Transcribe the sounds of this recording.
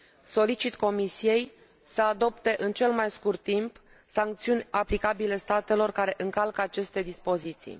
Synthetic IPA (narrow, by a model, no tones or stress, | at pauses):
so̞lit͡ʃit̪ko̞misije̞j | səad̪o̞pt̪e̞ʔɨnt͡ʃe̞lmajskurt̪ːimp | saŋk̚t̪siunʲaplikabile̞st̪at̪e̞lo̞rkaɾe̞ʔɨŋkalkəat͡ʃe̞st̪e̞d̪ispo̞zit̪sḭj